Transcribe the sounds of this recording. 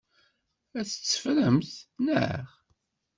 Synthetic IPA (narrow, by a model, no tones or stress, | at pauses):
æθə̥t͡sːə̥fɾəmθnə̰ʁ